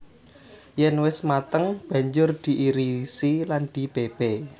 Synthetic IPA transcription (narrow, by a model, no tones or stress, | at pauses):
jɛnwɪsmat̪əŋb̥ä̤ɲd͡ʒʊrd̪̥i̤ʔiɾisiland̪̥i̤b̥eb̥e